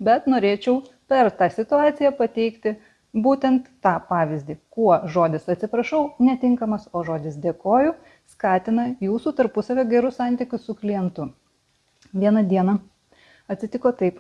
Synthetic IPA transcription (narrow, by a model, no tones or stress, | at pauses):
bʲɛt̪noːɾʲeːt͡ʃʲɛʊ | pʲɛɾt̪ɑːsʲɪt̪ʊɑːt̪sʲɪjæpɐt̪ʲɛɪkt̪ʲɪ | buːt̪ʲɛnt̪ːɑːpɑːʋʲɪzʲd̪ʲiːkuɔʒoːd̪ʲɪsɐt̪ʲsʲɪpɾɐʃɐʊnʲɛt̪ʲɪŋkɐmɐsoːʒoːd̪ʲɪsd̪ʲeːkoːjʊ | skɑːt̪ʲɪnɐjuːsuːt̪ɐɾpʊsɐʋʲoːɡʲɛɾʊsɑˑnʲt̪ʲɪkʲʊssʊklʲɪjɛnt̪ʊ | ʋʲiɛnɐd̪ʲiɛnɐ | ɐt̪ʲsʲɪt̪ʲɪkoːt̪ɐɪp